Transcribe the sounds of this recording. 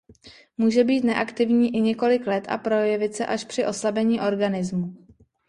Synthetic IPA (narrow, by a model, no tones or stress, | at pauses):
muːʒɛbiːt̪nɛʔakt̪ɪvɲiːʔɪɲɛko̞lɪklɛt̪a̰pɾo̞jɛvɪt̪sɛ̰ʔaʃpr̥ɪʔo̞slabɛɲiːʔo̞ɾɡanɪzmu